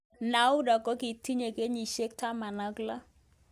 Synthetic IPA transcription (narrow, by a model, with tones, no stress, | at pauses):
na˨˦u˦dɔ˨kɔ˦ki˨ti˦ɲe˨ke˦ɲi˨ʃe˦k̚ta˦ma˨na˦kla˦